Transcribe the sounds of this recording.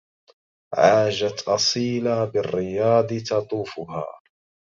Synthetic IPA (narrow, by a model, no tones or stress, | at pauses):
ʕaːʒat̪ʔɑsˤiːlabɪrːɪjɑːd̪ˤɨt̪ɑt̪ˤuːfʊɦa̰ː